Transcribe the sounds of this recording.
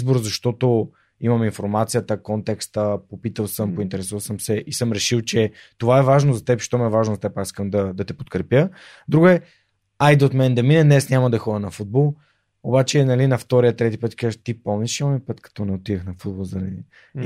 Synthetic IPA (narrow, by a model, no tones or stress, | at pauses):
zboɾzɐʃt̪ɔt̪o | imɐminfoɾmat̪sijət̪əkɔnt̪ɛkst̪əpopit̪əlˠsəmpoint̪ɛɾɛsuvəlˠsəmsɛʔisəmɾɛʃilˠt͡ʃɛ | t̪ovaɛvaʒnozɐt̪ɛpʃt̪ɔmiɛvaʒnozɐt̪ɛpasi̥skəmd̪ɐd̪ɐt̪ɛpot̪kɾɛpjə | d̪ɾuɡʊɛ | ajd̪ɛot̪mɛnd̪ɐminɛd̪nɛsnʲaməd̪ɛxɔd̪ənɐfud̪̚bɔlˠ | obat͡ʃɛnɐlinɐft̪ɔɾijət̪ɾɛt̪ipət̪kaʒt̪ipɔlˠniʃɛmɔmipɤt̪kɐ̥t̪ɔnɛot̪id̪əxnɐfud̪̚bolˠzɐi